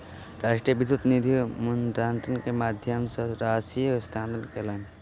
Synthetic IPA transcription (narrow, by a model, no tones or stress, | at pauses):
ɾaːʂʈɾijəʋid̪ʱut̪nid̪ʱimund̪ɾaːnt̪ənkemaːd̪ʱjəmsɐ̃ɾaːsijst̪ʰaːnd̪əlkelaːn